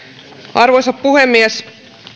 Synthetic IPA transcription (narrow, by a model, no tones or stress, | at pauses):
ʔɑrʋosɑppuhemːies